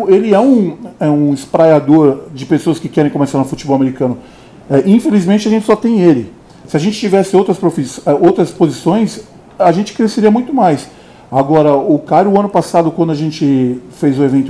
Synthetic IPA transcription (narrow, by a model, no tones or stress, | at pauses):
elɪɛũɛũɪspɾajad̪oɾd͡ʒɪpesoɐskɪkɛɾẽj̃komesaɾnʊfut͡ʃɪbɔwɐmeɾikɐ̃nʊ | ɛʔĩfelizmẽnt͡ʃɪaʒẽnt͡ʃɪ̥sɔt̪ẽj̃elɪ | sɪaʒẽnt͡ʃɪ̥t͡ʃivɛsɪowt̪ɾɐspɾofisɛowt̪ɾɐspozisõj̃s | aʒẽnt͡ʃɪ̥kɾeseɾiɐmũj̃t̪ʊmajs | aɡɔɾɐʊkaɾʊʊɐ̃nʊpasad̪ʊkwɐ̃nd̪ʊaʒẽnt͡ʃɪfejzũevẽnt̪ʊ